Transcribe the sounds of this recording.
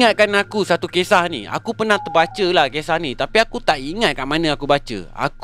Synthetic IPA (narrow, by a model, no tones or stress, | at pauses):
at̪̚kanakusat̪ukesahnḭa̰kupərnaht̪ərbat͡ʃəlahkesahnit̪apiakut̪aʔiŋat̪̚kanmanə̃akubat͡ʃə̰a̰k